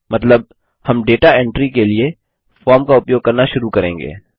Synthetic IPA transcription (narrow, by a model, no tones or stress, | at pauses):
mɐt̪ləb̚ | hɐmɖeːʈaɛ̃ɳʈɾikelie | fɔːɾmkaʊpjoːɡ̚kɐɾnaʃʊɾukɐɾẽːŋɡḛː